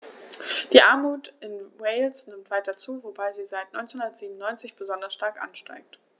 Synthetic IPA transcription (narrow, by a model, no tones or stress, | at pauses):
d̥iːʔaɐmuːtɪnweɪlsnɪmtv̥aɪtɐt͡suːvobaɪziːzaɪtnɔʏnt͡snhundɐtz̥iːbm̩nɔʏnt͡sɪçb̥əzɔndɐsʃtaɐkʔa̰nʃta̰ɪk̚t